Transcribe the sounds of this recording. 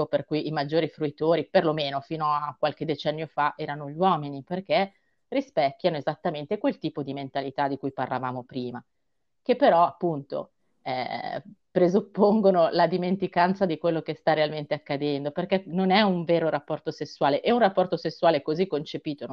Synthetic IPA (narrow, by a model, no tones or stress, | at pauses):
operkujimad͡ʒːoːɾifɾuit̪oːɾiperlomeːnofiːnoakwalk̟ed̪et͡ʃɛnːjofaʔɛːɾanoʎwɔːminiperk̟e | rispɛkːjanoezat̪ːament̪ekwelt̪iːpod̪iment̪alit̪ad̪ikujpa̰rlava̰ːmopɾiːma | kepːeɾɔapːunt̪o̰ | ɛ̰ | pɾezupːoŋɡonolad̪iment̪ikant̪sad̪ikwelːokest̪arealment̪eakːad̪ɛnd̪operkenonɛuɱveːɾoɾapːɔrt̪osesːwaːleʔeunrapːɔrt̪osesːwaːlekozikːont͡ʃepiːt̪o